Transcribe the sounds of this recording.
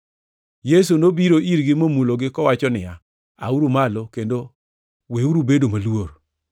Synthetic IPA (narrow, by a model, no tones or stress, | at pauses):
jes̬unobiɾoʔiɾɡɪmomuloɡɪkɔwat͡ʃɔnɪa | a̰uɾumalokendo | weuɾubedomaluwoɾ